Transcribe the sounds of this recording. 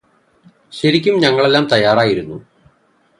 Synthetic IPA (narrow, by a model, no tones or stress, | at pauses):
ɕɐɾikʲːumɲɐŋːɐɭe̞lːaːmt̪ɐjːaːraːjiɾunːu